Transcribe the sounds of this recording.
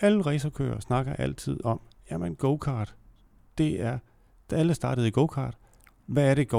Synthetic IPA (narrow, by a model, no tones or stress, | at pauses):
æləʁɛɪsɐkʰø̰ːɐsnɑ̈ɡ̥ɐʔæl̰t͡sʰið̞̰ˠɒ̽m | jæmenɡ̥oʊkʰɑ̰̈ːd̥ | d̥e̝æɐ | d̥ææləsd̥ɑ̈ːɾ̥ð̩ˠiɡ̥oʊkʰɑ̰̈ːd̥ | ʋæːɐɾ̥e̝ɡ̥o